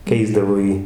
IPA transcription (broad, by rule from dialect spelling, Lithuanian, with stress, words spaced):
ˈkʲɛɪzdɐʋoː ˈjiː